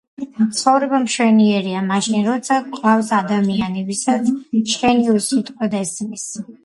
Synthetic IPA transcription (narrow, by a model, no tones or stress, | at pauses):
t̪sʰχɔvɾɛbamʃwɛniɛɾiamaʃinɾɔt̪sʰakʼvavsad̪amianɛvisat̪st͡ʃʰɛniusit̪ʼqʼwɛd̪ɛsmis